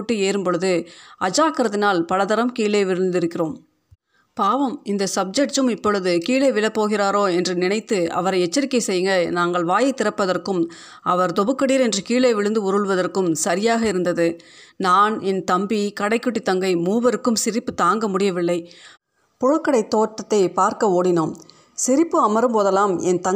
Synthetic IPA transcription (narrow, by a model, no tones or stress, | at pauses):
ʈːɯeːɾɯmpɔɭɯðɯʔɐd͡ʒaːkɐɾɐðɪnaːlpɐɻɐðɐɾɐmkiːɭeːʋɪɻɯnd̪ɪɾɯkːɪroːm | paːʋɐmɪnd̪ɐsɐb̚d͡ʒɛʈ̚ʈɯmɪpːɔɭɯðɯkiːɭeːʋɪɭɐpːoːɣɪraːɾoːɛndrɯnɪnɐɪt̪ːɯɐ̰ʋɐɾɐɪɛt͡ʃːɐɾɪkːɐɪsɛjːɯŋɡɐnaːŋɡɐɭʋaːjɐɪt̪ːɪɾɐpːɐðɐrkɯm | ɐʋɐɾd̪ɔbɯkːɐɽiːɾɛndrɯkiːɭɐɪʋɪɻɯnd̪ɯʊɾɯɭʋɐðɐrkɯmsɐɾɪjaːɣɐɪɾɯnd̪ɐðɯ | naːnɛnt̪ɐmbikɐɽɐɪkːɯʈːit̪ːɐŋɡɐɪmuːbɐɾɯkːɯmsɪɾɪpːɯt̪aːŋɡɐmʊɽɪjɐʋɪɭːɐɪ | pʊɻɐkːɐɽɐɪt̪ːoːʈːɐt̪ːɐɪpaːɾkɐoːɽɪnoːm | sɪɾɪpːɯɐmɐɾɯmpoːðɐlaːmɛnt̪ɐ